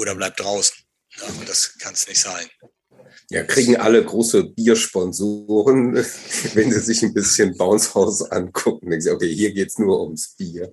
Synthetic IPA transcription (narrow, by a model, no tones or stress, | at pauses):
ʔoːɾɐblaɪp̚d̥ʁaʊsn̩ | nəʊnd̥askʰansnɪçtz̥aɪn | ja̰ːkʁ̥iːɡŋ̩ʔa̰ləɡʁoːsəbiːɐʃpɔnzoːʁən | vɛnziːzɪçnbɪsçənbaʊnshaʊsʔa̰nkʰʊk̚ŋ̩dɛŋknzɪokʰeːhiːɐɡeːtsnuːɐʔʊmsb̥iːɐ